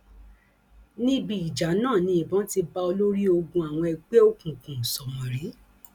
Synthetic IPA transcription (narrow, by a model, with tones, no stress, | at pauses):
nĩ˦bi˦i˨d͡ʒa˨˦nãː˦˨nĩ˧˦i˨bɔ̃˨˦ti˧ba˧o˧lo˦ɾi˦o˧ɡũ˧a˨w̃ɔ̃˧ɛ˧ɡ͡be˦o˦kũ˨kũ˨sɔ˨mɔ̃˨ɾi˨˦